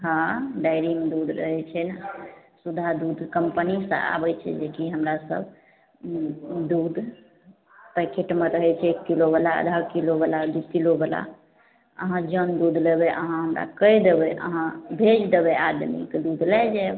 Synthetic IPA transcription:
ɦãɖajɾimed̪ud̪ʱɾə̰ɦɛt͡ʃʰɛnasud̪ʱad̪ud̪ʱkəmpənisə̰̃a̰bɛt͡ʃʰɛ̰d͡ʒekiɦəmɾasə̰bʱ | d̪ud̪ʱ | pɛkʰeʈmeɾəɦɛt͡ʃʰɛekːilobəlaə̰d̪ʱakilobəlad̪ukilobəla̰ | ə̰ɦãd͡ʒənd̪ud̪ʱlebɛʔə̰ɦãɦəmɾa̰kəjd̪ebɛʔə̰ɦãbʱed͡ʒd̪ebɛad̪mḭkd̪ud̪ʱlɛd͡ʒɛ

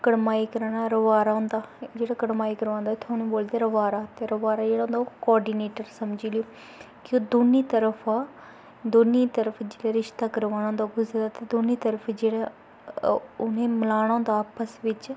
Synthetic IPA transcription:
kəɽmaːiːkəɾaːnaɾəʋaːɾaːɦʊ̃nd̪aːd͡ʒeːɽaːkəɽmaːikəɾʋãːnd̪at̪ʰoːñĩːboːld̪eːɾəʋaːɾaːt̪eɾəʋaːɾaːd͡ʒeːɽaːʊ̃nd̪akɔːɾɖiːneːʈəɾsəmd͡ʒiːlɪjoː | koːd̪oniːt̪əɾəpʰaː | d̪oniːt̪əɾəpʰd͡ʒeːɽaːɾɪʃt̪aːkəɾʋaːñãːnd̪aɡʊzd̪aːt̪ed̪oniːt̪əɾəpʰd͡ʒeːɽa | ʊnẽːməlaːɽ̃ãːnd̪aːpəsʋɪt͡ʃ

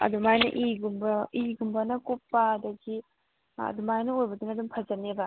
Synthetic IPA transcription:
ɐ̰d̪umajnɐ̰ʔiɡumbɐiɡumbɐnɐkopːɐːdɐɡi | ɐ̰dumajnɐojbɐduŋɐdumpʰɐd͡ʒɐnebɐ

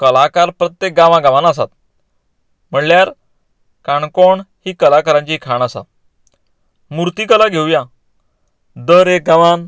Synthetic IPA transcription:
kəlakaɾpɾət̪jek̚ɡãʋãɡãʋanasa̰t̪̚ | m̤əɳljaɾ | kaɳkoɳhiːkəlakəɾãɲt͡ɕikʰaɳəsa̰t̪ | muɾt̪iːkəlaɡʱewja | d̪əɾek̚ɡãʋan

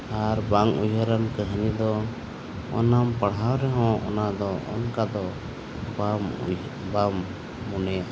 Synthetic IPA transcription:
aɾbaŋujɦəɾankəɦənid̪ɔ | ɔ̰nampəɽɦawɾɛɦɔ̃ɔ̰nad̪ɔʔɔ̰nkad̪ɔ | bam | bamː | unɛja

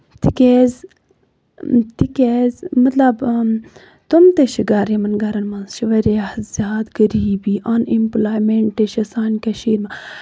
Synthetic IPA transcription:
t̪ʰikeːz | t̪ʰikeːzmɐt̪lɐb | t̪umt̪eʃʰiɡaɾemɐnɡɐɾɐnmɐnst͡ʃʰiʋɐɾeahzʲaːd̪ɡɐɾiːbiːʔanimplaːjmeɳʈːeʃɐsaːnkɐʃiːɾmã

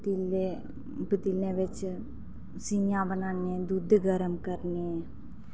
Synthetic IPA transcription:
t̪ile | bət̪ilẽʋɪt͡ʃ | sinjãbənaːned̪ud̪ʱɡəɾəmkəɾne

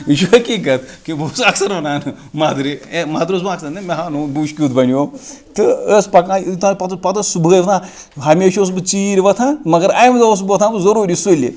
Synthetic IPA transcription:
iʃuʋɐkiɡɐt̪ʰkibusɐksɐɾʋɐnaːnɨ | maːd̪ɾiemaːd̪ɾosbɐksɐɾnɨmɐɦaːnuːbuːʃkʲiːt̪bɐnʲjoːt̪ɨəːspɐkãːt̪ãːpɐt̪pɐt̪ɐsubʱəːjʋɐt̪ʰãː | ɦɐmʲeːʃoːs̬bɨt͡siːɾʲʋɐt̪ʰãːmɐɡɐɾɐjmɐzɐos̬bɨʋɐt̪ʰãːbɨzɐɾuːɾisulḭ

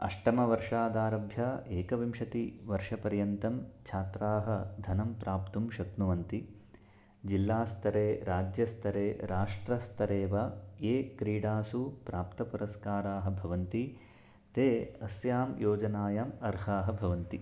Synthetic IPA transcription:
ɐ̰ʂʈɐmɐʋɐɾʂaːd̪aːɾɐbʱjɐeːkɐʋimʃɐt̪iʋɐɾʂɐpɐɾjɐnt̪ɐmt͡ʃʰaːt̪ɾaːɦɐd̪ʱɐnɐmpɾaːpt̪umʃɐknuʋɐnt̪i | d͡ʒilːaːst̪ʰɐɾeːɾaːd͡ʒjɐst̪ʰɐɾeːɾaːʂʈɾɐst̪ʰɐɾeːʋɐeːkɾiːɽaːsupɾaːpt̪ɐpuɾɐskaːɾaːɦɐ̆bʱɐʋɐnt̪i | t̪eːɐsjaːmjoːd͡ʒɐnaːjamɐɾɦaːɦɐ̆bʱɐʋɐnt̪i

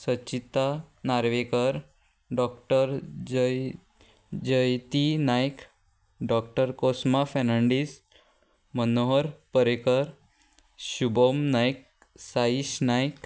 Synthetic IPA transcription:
sət͡ɕit̪a | naɾʋekəɾ | ɖɔkʈəɾ | d͡ʑəjt̪inajk | ɖɔk̚ʈəɾkosmafɛnəɳɖis | mənoɦəɾpəɾekəɾ | ɕubomnajk̚ | saiɕnajk

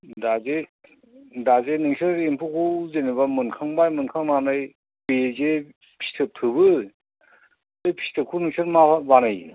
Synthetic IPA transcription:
daze | dazenɯŋsɯɾempʰukʰuuzenibamɯnkʰaŋbajmɯnkʰaŋnanaj | peze | pʰi̥tʰɯtʰɯbɯ | ɯjpʰi̥tʰɯkʰunɯŋsʰɯɾmabanaj

